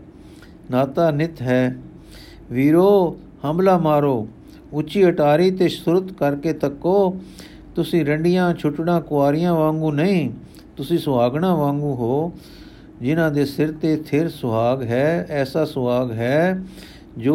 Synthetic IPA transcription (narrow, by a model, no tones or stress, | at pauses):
naːt̪aːnɪt̪ʰɦɛː | ʋiːɾoː | həmblaːmaːɾoː | ʊt͡ʃiːəʈaːɾiːt̪eːsʊɾət̪kəɾkeːt̪əkːoː | t̪ʊsĩːɾəɳɖɪjãːt͡ʃʰʊʈɳãːkʊaːɾɪjãːʋãːŋɡũːnəĩː | t̪ʊsĩːsʊaːɡɳãːʋãːŋɡũːɦoː | d͡ʒɪnãːd̪eːsɪɾt̪eːt̪ʰɪɾsʊbaːɡɦɛːɛːsaːsʊʋaːɡɦɛː | d͡ʒoː